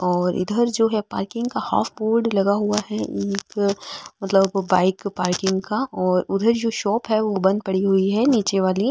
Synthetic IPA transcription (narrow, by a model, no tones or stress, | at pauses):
ɔːɾʊ̰d̪ʱəɾd͡ʒoːɦɛpa̰ːɾkɪ̃ŋɡkaha̰ːfʰboːɾɖlɐɡaɦuaɦɛeːkmɐt̪ləbːaːɪkpaːɾkɪ̃ŋɡkaɔːɾʊd̪ʱəɾd͡ʒoːʃɔːpɦɛʋobɐ̃nd̪̚pɐɽiɦuiɦɛniːt͡ʃeʋaːli